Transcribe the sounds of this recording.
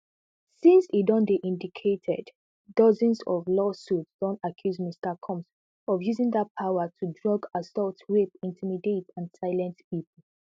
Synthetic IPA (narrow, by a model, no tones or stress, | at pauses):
sĩnsidɔ̃ndeʔĩndikʰetʰɛ̰d | dɔzə̃nsɔvlɔsutsd̥ɔ̃ntakʰjuzmistəkʰɔ̃ms | ɔvjuzɪ̃ŋdat̚pʰaʊətʰudɹɔɡasɔltwep̚ĩntʰimidetãnsaɪlɛ̃ntp̚ipəl̩